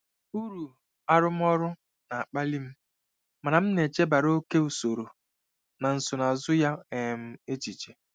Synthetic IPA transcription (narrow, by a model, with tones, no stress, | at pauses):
u˦ɾu˨ | a˦ɾʊ˦m̩˦ɔ˦ɾʊ˦ | na˨a˨k͡pa˦li˦m̩˦ | ma˨na˨m̩˦ne˨t͡ʃe˦ba˨ɾo˦ke˦u˨so˨ɾo˨ | na˨n̩˨sʊ˨na˨zʊ˦ja˦ɛ˨m̩˦e˦t͡ʃi˨t͡ʃe˨